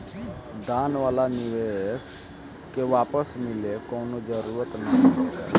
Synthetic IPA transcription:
d̪aːnʋaːlaniʋes | keʋaːpəsmɪlekɔːnod͡ʒəɾuːɾət̪nəɦĩɦoɡa̰ː

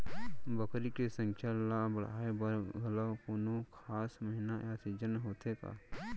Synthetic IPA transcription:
bəkɾikesə̃ŋkʰjalabəɽ̤a̰ːebəɾɡʱələkʊnokʰaːsməɦɪnajasid͡ʒənɦoːt̪ʰeka̰ː

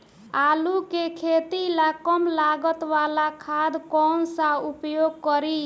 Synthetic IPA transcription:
alukekʰet̪ilakɔmlaɡət̪ʋalakʰad̪kɔnsaupjoɡkɔɾi

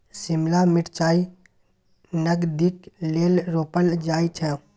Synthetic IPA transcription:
sɪmlamɪʈt͡ʃaːi | nəɡd̪ɪkleːlɾoːpəld͡ʒaːit͡ʃʰɛ

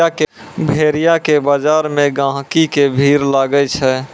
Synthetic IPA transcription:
ake | bʱeɾijakebad͡ʒaɾmẽɡãɦkikebʱiɾlaɡət͡ʃʰɛ

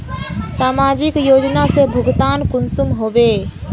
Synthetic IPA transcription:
saːmaːd͡ʒɪkjoːd͡ʒnasebʱʊɡt̪aːnkʊnsʊmɦoːʋeː

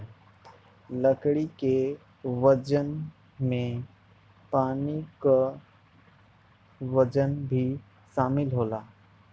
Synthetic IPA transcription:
ləkɽike | ʋəd͡ʒən | mẽ | paːnika | ʋəd͡ʒənbʱi | ʃaːmɪlɦoːlaː

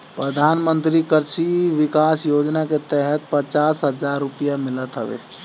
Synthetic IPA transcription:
pɾəd̪ʱaːnmə̃nt̪ɾikəɾsiʋɪkaːsjoːd͡ʒnaket̪ɛɦət̪̚pət͡ʃaːsɦəd͡ʒaːɾːʊpijamɪlət̪ɦəʋḛː

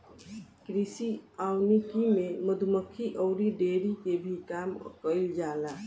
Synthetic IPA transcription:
kɾisiawnikimeməd̪ʱuməkʰːiʔəʊɾiɖeɾikebʱikamkəɪld͡ʒala

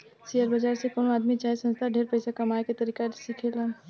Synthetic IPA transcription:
siəɾbəd͡ʒaːɾsekoːnaːd̪mit͡ʃaːesə̃nst̪ʰaɖʱeːɾpəɪsakɐmaːjket̪ɐɾiːkasikʰele

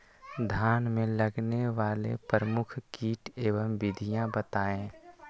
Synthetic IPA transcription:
d̪ʱaːnmẽləɡneʋaːlḛpɾəmʊkʰkiːʈeːʋəmʋɪd̪ʱijãbət̪aːẽː

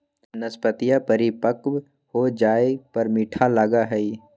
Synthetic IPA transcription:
nəspət̪ɪjapəɾipəkw | hod͡ʒaːepɐɾmiːʈʰalaɡaɦɛi

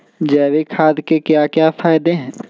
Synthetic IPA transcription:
d͡ʒɛːʋekʰaːd̪kekjaːkjaːfaːɪd̪eɦɛ̃ː

